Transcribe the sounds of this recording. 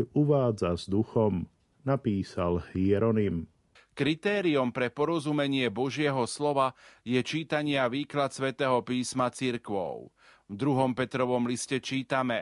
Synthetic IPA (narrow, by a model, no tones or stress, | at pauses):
uʋaːd͡zazd̪uxɔm | napiːsalhiɛɾɔnim | kɾit̪ɛːɾiɔmpɾɛpɔɾɔzumɛɲɪɛbɔʒɪɛɦɔslɔʋajɛt͡ʃiːt̪aɲɪaʋiːklat̪sʋɛt̪ɛːɦɔpiːsmat͡siɾkʋɔ̰ʊ | vd̪ɾuɦɔmpɛt̪ɾɔʋɔmliscɛt͡ʃiːt̪amɛ